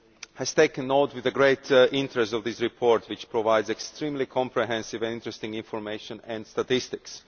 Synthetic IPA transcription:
hɛz̥teɪkə̃nːoʊtwɪðəɡɹeɪtɪ̃ntɹɛstɔvðɪsɹipʰɔɹtʰwɪt͡ʃpɹɔvaɪdzɛkstɹĩːmlikʰɔ̃mpʰɹɛɦɛ̃nsɪvɛ̃nɪ̃ntɹɛstɪ̃ŋɪ̃nfɔɹmeɪʃə̃nɛ̃ndstatɪstɪks

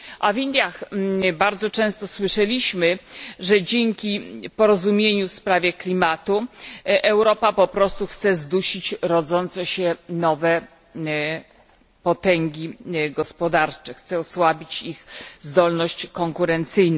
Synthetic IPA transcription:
ʔavʲind̪ʲjaxbaɾd̪zɔt͡ʂɛ̃st̪ɔswɘʂɛlʲiɕmɘʐɛd͡ʑeŋkʲipɔɾɔzumʲjeɲufspɾavʲjɛklʲimat̪uʔɛwɾɔpapɔpɾɔst̪uxt̪sɛzd̪uɕit͡ɕɾɔd̪zɔnt̪sɛɕɛnɔvɛ | pɔt̪ɛŋɡʲiɡɔspɔd̪aɾt͡ʂɛxt̪sɛɔswabʲit͡ɕixzd̪ɔlnɔɕt͡ɕkɔŋkuɾɛnt̪sɘjnɛ

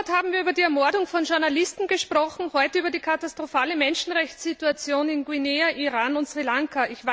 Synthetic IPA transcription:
thaːbm̩viːɐybɐdiːɛɐmɔɐdʊŋfɔnʒʊɐnalɪstn̩ɡəʃpʁ̥ɔxn̩hɔʏtəyːbɐdiːkʰatastʁ̥ofaːləmɛnʃn̩ʁɛçt͡sz̥ituat͡sjoːnɪnɡwineːaʔiʁaːnʊntzʁilaŋkaɪçva

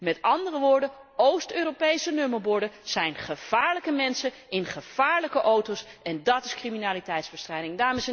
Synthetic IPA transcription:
mɛtɑndərəʋʊːɹdə | owstøːrowpejsənøməɹbʊɹdəz̥ɛjnχəv̥aːɹləkəmɛnsə | ɪnχəv̥aːɹləkəʔowtowsɛndɑtɪskriminaːlitɛjtzbəstrɛjdɪŋdaːɹməs

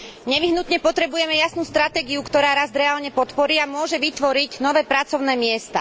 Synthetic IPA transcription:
ɲɛʋiɦnut̪ɲɛpɔt̪ɾɛbujɛmɛjasnuːst̪ɾat̪ɛːɡiukt̪ɔɾaːɾazd̪ɾɛaːlɲɛpɔt̪pɔɾiːamʊɔʒɛʋit̪ʋɔɾiɟnɔʋɛːpɾat͡sɔʊnɛːmɪɛst̪a

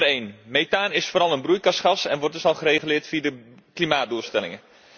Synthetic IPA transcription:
rejnmejtaːnɪsfoːɾɑlˠənbrujkɑsχɑsɛ̰nʋɔrtdɵsɑlˠχəreχylɪːrtfiədə | klimaːt̚duəlˠstɛlɪ̰ŋə

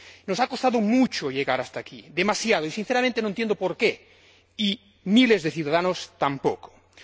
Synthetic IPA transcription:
nosakost̪aðomut͡ʃoʎeɣaɾast̪akiðemasjaðoisin̟θeɾamẽnt̪enõent̪jẽnd̪opoɾke | i | milezðeθjuðaðanost̪ampoko̥

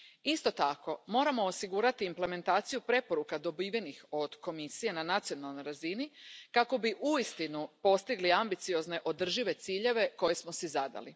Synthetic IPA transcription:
ist̪o̞t̪ako̞mo̞ɾamo̞ːsiɡuɾat̪iːmple̞me̞nt̪aːt̪sijupɾe̞po̞ɾukad̪o̞biːʋjenixo̞d̪̥ko̞misije̞nanat̪sijo̞nalˠno̞jɾazinikako̞biʔuist̪inupo̞st̪iɡliambit̪sijo̞zne̞ʔo̞d̪r̩ʒiʋe̞t̪siːʎe̞ʋe̞ko̞jesmo̞sɛzad̪a̰li

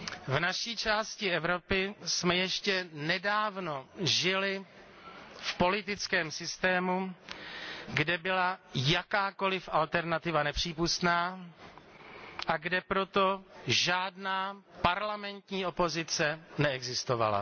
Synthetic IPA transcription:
vnaʃiːt͡ʃaːscɪɛvɾo̞pɪsmɛjɛʃcɛnɛdaːvno̞ʒɪlɪ | fpo̞lɪt̪ɪt͡skɛːmsɪst̪ɛːmu | ɡdɛbɪlajakaːko̞lɪfʔalt̪ɛɾnat̪ɪvanɛpr̝̥iːpust̪naː | ʔaɡdɛpɾo̞t̪o̞ʒaːdnaːpaɾlamɛnt̪ɲiːo̞po̞zɪt͡sɛnɛɛɡzɪst̪ova̰la̰

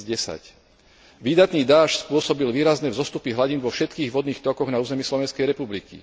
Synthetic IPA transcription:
ɟɛsa̰c | ʋiːd̪at̪niːd̪aːʃspʊɔsɔbilʋiːɾaznɛvzɔst̪upiɦlaɟinʋɔfʃɛt̪kiːɣʋɔd̪niːxt̪ɔkɔɣnauːzɛmiːslɔʋɛnskɛjɾɛpublikḭ

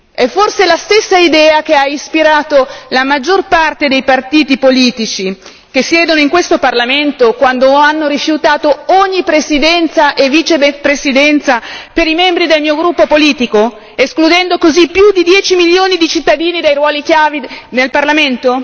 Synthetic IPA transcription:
ɛfːorselast̪esːaid̪ɛːak̟eaispiɾaːt̪olamad͡ʒːorpart̪ed̪ejpart̪iːt̪ipoliːt̪it͡ʃi | kesjɛːd̪onoiŋkwest̪oparlament̪okwand̪oanːoɾifjut̪aːt̪ooɲːipɾesid̪ɛnt̪saʔeviːt͡ʃepɾesid̪ɛnt̪sapeɾimɛmbɾid̪elmiːoɡɾupːopoliːt̪iko | esklud̪ɛnd̪okozipːjud̪id̪jɛːt͡ʃimiljoːnid̪it͡ʃit̪ːad̪iːnid̪ejrwɔːlik̟javid̪nelparlament̪o

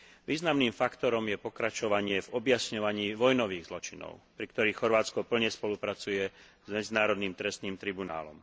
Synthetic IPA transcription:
ʋiːznamniːmfakt̪ɔɾɔmjɛpɔkɾat͡ʃɔʋaɲɪɛvɔbjasɲɔʋaɲiːʋɔjnɔʋiːɣzlɔt͡ʃinɔ̰ʊpɾikt̪ɔɾiːxxɔɾʋaːt͡skɔpl̩ɲɛspɔlupɾat͡sujɛ | zmɛd͡zinaːɾɔd̪niːmt̪ɾɛst̪niːmt̪ɾibuna̰ːlɔ̰m

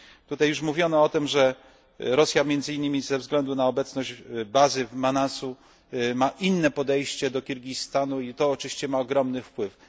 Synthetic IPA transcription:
t̪ut̪ajːuʂmuvʲjɔnɔɔt̪ɘmʐɛ | ɾɔsʲjamʲjɛnd̪zɘinːɘmʲizɛvzɡlɛnd̪unaɔbɛt̪snɔd͡ʑbazɘmanasu | maʔinːɛpɔd̪ɛjɕt͡ɕɛd̪ɔkʲiɾɡʲist̪anuit̪ɔːt͡ʂɨvʲi̥ɕt͡ɕɛmaɔɡɾɔmnɘfpwɘf

